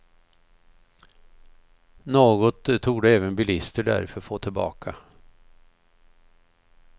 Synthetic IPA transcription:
noːɡɔt̪t̪ʰːuːɡd̪əɛːvənbɪlɪst̪əɖæ̰ɾfœɾɔfoːt̪ʰɪlbɑ̰ːkʰa

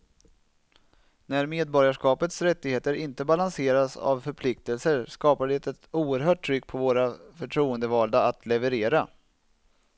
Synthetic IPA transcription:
næɾmeːd̪̚bɔɾjaʂkɑːpət̪sɾɛt̪ːɪɡheːt̪əɾɪnt̪əbalanseːɾasa̰vfœɾpʰlɪkt̪əlsəɾskɑːpaɖɛt̪ɛt̪uːəɾɦœːʈʰːɾʏkːpʰɔvoːɾafœʈʰɾuːənd̪əvɑːld̪aat̪ʰlɛvəɾeːɾa

